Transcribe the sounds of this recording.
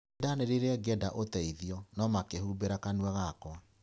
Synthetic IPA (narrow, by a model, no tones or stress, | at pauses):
daneɾeɾeɛɡɛdaʔotɛiðiɔnɔmakeɦubeɾakanwɛɣakwa